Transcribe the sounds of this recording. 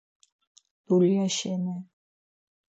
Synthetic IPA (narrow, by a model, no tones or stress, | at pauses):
d̪̥uliaʃɛnɛ